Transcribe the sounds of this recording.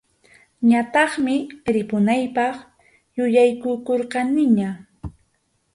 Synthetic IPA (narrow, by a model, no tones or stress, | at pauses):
ɲat̪ɑχmɪɾɪpʊnajpɑχ | jʊjajkʊkoɾqɑnɪɲa